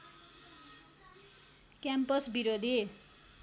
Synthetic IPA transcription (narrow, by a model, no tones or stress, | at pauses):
kjampʌsbiɾod̪ʱe